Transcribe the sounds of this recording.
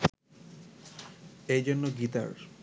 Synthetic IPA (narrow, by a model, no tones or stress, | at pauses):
ejd͡ʑonːoɡit̪a̰ɾ